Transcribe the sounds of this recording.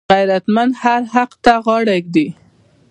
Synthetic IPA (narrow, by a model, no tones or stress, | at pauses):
ɣajɾat̪mand̪haɾhaqt̪aɣɑɽak̚d̪i